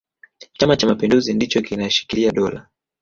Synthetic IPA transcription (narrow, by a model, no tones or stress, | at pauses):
t͡ʃamat͡ʃamapinduzindit͡ʃɔkinaʃi̥kiliaɗɔla̰